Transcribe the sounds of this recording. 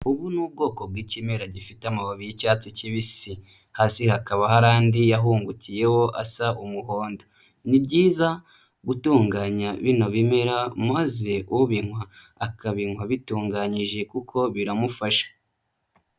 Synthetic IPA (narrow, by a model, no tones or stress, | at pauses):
uβunuːb̚ɡo̞ːko̞b̚ɡiːcime̞ɾaɟifiteamaβaβijicaːt͡siciβisihaːsihakaβaɦaɾaːndijaɦuːŋɡucije̞ho̞ʔasaʔumuɦo̞ːndo | nibɟiːza | ɡutuːŋɡaːɲaβino̞βime̞ɾamaze̞uβiŋwaː | kaβinwaβituːŋɡaɲiʒe̞kukʰo̞βiɾamufaʃḁ